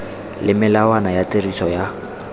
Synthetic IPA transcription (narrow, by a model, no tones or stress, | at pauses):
lɪmɪlawanajaterisʰɔja